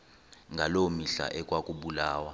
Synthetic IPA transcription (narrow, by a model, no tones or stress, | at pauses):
ŋɡʱalomiɬa̰ʔɛkʼwakʼuɓulaːwa